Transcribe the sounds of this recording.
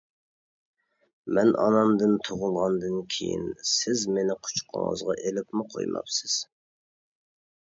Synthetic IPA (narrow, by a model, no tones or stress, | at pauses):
mɛnʔɑ̰nɑmd̪ɨnt̪ʰoʁʊlˠʁɑnd̪ɨnkʲʰḛjḭnsɪzmenɪqʰʊ̥t͡ʃqʰə̰ŋə̰zʁɑʔelɪpmɪqʰo̰jmɑ̰psɨz̥